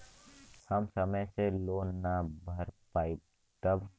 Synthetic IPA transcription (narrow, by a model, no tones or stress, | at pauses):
hɐmsəməjseloːnːabʱɐɾpaːi | t̪əb